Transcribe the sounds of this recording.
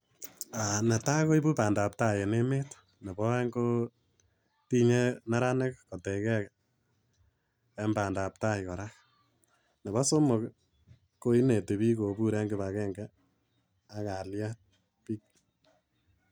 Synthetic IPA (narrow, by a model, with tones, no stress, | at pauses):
a˨nɛ˨ta˦ko˦i˦bu˦pa˨nda˨p̚ta˦je˨ne˦me˦t | nɛ˨bɔ˦ŋɡo˦ | ti˦ɲe˦na˦ɾa˦ne˦kkɔ˨tɛ˨kɛ˦k | ɛ˦mba˨nda˨p̚ta˦jkɔ˨ɾak | nɛ˨βɔ˦so˦mo˨k | ko˦i˦ne˨te˨βi˦ko˨bu˦ɾɛ˦ŋɡɪ˦βa˨kɛ˦ŋɡɛ˦ | a˨ka˨lja˦t̚ | pi˦k̚